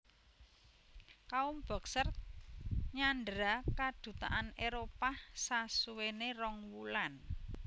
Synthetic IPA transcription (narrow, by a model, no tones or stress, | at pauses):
kaumb̥ɔ̤ksər | ɲanɖɾakad̪̥ṳt̪a̰ʔaneɾopasasuwenerɔŋwulan